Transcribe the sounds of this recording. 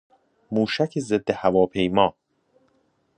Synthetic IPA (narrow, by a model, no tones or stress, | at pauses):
muːʃæcʰezed̪ːehævɒːpʰe̞jmɒː